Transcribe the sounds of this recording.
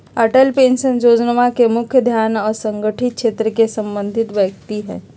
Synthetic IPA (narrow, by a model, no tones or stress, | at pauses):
əʈəlpẽːnʃənɾoːd͡ʒnəmakemʊkʰjəd̪ʱjaːnɔːɾsə̃ŋɡəʈʰɪt̪̚kʃeːt̪ɾəkesə̃mbə̃nd̪ʱɪt̪ʋjək̚t̪iɦɛ̰̃ː